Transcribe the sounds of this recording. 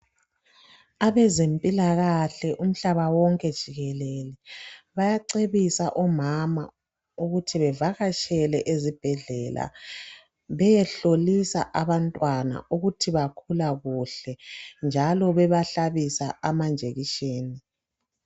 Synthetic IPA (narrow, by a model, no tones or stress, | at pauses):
aβɛzempʼilaɣaɬɛʔum̩ɬaβawɔŋkʼɛd̥ʒ̥ʱiɣɛlɛlɛβajaǀeβisaʔɔmama̰ | uɣutʰiβɛvaɣaʃʼɛlɛʔezib̥ʱɛɮɛla̰ | βɛjɛɬolisa̰ʔaβantʼwana̰ʔuɣutʰiβakʰulaɣuɬɛnd͡ʒʱalɔβɛβaɬaβisaʔamand͡ʒʱeɣiʃeːni